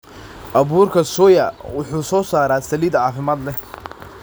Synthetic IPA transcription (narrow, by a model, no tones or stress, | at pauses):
ʔɐβuːrkʰɐsɔjɐwʊħuːsɔːsaːɾaːsɐliːd̪ʕɑːfɪmaːd̪lɛ